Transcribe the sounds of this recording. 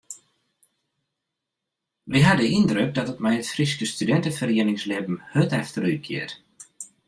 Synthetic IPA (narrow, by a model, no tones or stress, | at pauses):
ʋiɦadəind̪ɾøk̚d̪atɔtmajətfriskəst̪ydɛnt̪əfəreːnɪŋslɪpm̩høt̪ɛft̪əɾyt̚kʰjɪ̰ːɾ